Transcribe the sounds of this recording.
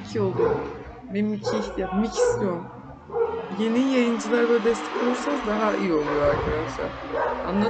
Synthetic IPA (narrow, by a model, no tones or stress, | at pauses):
cʰio̞lˠd̪u | bimicʰiç̪amicʰi̥som | je̞nijajɯnd͡ʒɯlˠaɾlˠad̪ɛst̪ʰɛ̥kouɾsazd̪aɦaʔḭjio̞lˠujoaɾkʰad̪aʃlˠa̰ɾ̥a̰nlˠa